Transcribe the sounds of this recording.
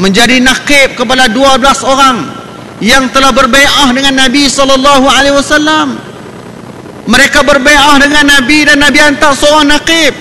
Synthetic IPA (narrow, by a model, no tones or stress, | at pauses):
məɲd͡ʒadinaqɪp̚kəpadaduablasoɾaŋ | jaŋt̪əlahbərbajʔahdəŋanːabisɔlɔlːɑɦualewasalːam | əɾekabərbeʔahdəŋanːabidanːabiant̪aʔsoɾaŋnaqɪp̚